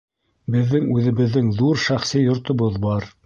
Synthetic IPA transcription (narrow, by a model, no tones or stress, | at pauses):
bɘ̆ðːɘŋʉðɘ̆βɘ̆ðːɘŋðuɾʃæχsɘjŏɾt̪ŏβoðbɑɾ